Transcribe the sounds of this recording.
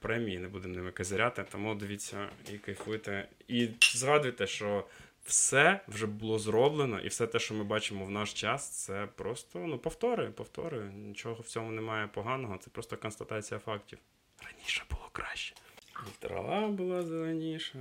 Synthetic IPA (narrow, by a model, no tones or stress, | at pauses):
pɾɛmʲijinebud̪ɪmnɛmɪkɐzʲɪɾʲat̪ɪt̪ɔmud̪ɪʋʲit͡sʲːɐ̰ikejfɪt̪ɛ | izɦɑd̪ʊjt̪ɛʃt͡ʃɔ | wsɛwʒɛbʊlˠɔzɾɔblˠenɔ̰ʔḭwsɛt̪ɛʃt͡ʃɔmɪbɑt͡ʃɪmɔwnɑʃt͡ʃɑst̪sɛpɾɔst̪ɔnupɔwt̪ɔɾʊjʊpɔwt̪ɔ̰ɾʊjʊnʲit͡ʃɔɦɔwt͡sʲɔmʊnemɑjɛpɔɦɑnɔɦɔt̪sɛpɾɔst̪ɔkɔnst̪ɐt̪ɑt͡sʲijɐfɑktʲiw | rɐnʲiʃɛ̥bʊlˠɔkɾɑʃʲt͡ʃɛ̥ilʲt̪ɾɐ̰lˠɑbʊlˠɑzelˠenʲiʃɐ